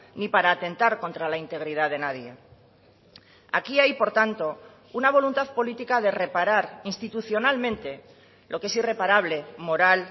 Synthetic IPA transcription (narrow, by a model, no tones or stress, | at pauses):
nipaɾaːt̪ẽ̞nt̪aɾko̞nt̪ɾalaint̪e̞ɣ̞ɾið̞aðe̞naðje̞ | a̰kiajpo̞ɾt̪ant̪o̞ | unaβ̞o̞lunt̪aðpo̞lit̪ikað̞e̞re̞paɾaɾinst̪it̪uθjo̞nalmẽnt̪e̞ | lʔo̞kee̞sire̞paɾaβle̞mo̞ɾal